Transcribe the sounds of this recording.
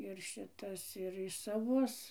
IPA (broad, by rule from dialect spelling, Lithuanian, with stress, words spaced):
ɪr ˈʃʲɪtɐs ɪr ɪ sɐˈʋʊs